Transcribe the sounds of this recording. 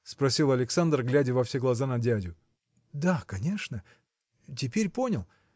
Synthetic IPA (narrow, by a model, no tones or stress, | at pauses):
spɾɐsʲilˠɐlʲɪksand̪rɡlʲædʲɪvɐfsʲe̞ɡlˠɐzanɐdʲædʲʊ | d̪akɐnʲeʂnə | tʲɪpʲeɾʲpo̞nʲɪlˠ